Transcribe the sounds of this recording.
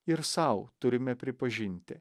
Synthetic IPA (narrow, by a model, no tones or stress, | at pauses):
ɪɾsɐʊt̪ʊɾʲɪmʲɛpʲɾʲɪpɐʒʲɪnʲt̪ʲɪ